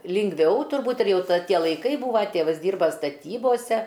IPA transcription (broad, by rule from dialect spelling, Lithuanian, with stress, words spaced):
lʲɪŋɡˈʋʲɛʊ tʊrˈbuːt ɪr ˈjɛʊ ˈtʲiɛ lˠɐɪˈkɐɪ ˈbuːʋɐ ˈtʲeːʋɐs ˈdʲiːrbɐ stɐˈtʲiːboːsʲɛ